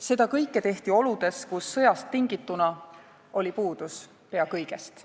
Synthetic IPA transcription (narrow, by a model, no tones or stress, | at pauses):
se̞d̪̥ɑkɤjkːˑe̞t̪e̞ht̪io̞lud̪̥e̞skusːɤ̞jɑst̪ːiŋɡit̪ːˑunɑ | o̞lʲipuːd̪̥us | pe̞ɑkɤjɡ̥e̞st̪